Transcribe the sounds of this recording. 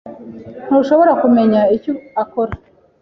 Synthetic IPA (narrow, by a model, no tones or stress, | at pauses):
n̥oʃo̞βo̞ɾakume̞ɲaicoakoɾa